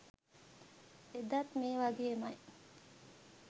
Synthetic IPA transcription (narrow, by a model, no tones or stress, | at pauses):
ed̪at̪meːʋɐɡeːmɐj